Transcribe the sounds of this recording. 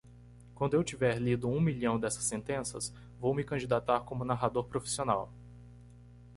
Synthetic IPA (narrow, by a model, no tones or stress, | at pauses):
kwɐ̃nd̪ʊewt͡ʃivɛɾlid̪ʊũmiʎɐ̃w̃d̪ɛsɐ̥sːẽnt̪ẽsɐ̰s | vowmɪkɐ̃d͡ʒid̪at̪aɾkõmʊnaɦad̪oɾpɾofi̥siona̰w